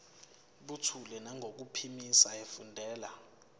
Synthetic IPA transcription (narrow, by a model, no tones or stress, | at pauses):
ɓutʰulɛnaŋɡʱok̬upʰimisaefundʱɛːla